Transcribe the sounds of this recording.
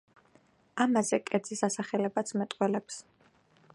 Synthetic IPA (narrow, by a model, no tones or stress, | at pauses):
amazɛkʼɛd̪z̥isasaχɛlɛbat̪sʰmɛt̪ʼqʼwɛlɛps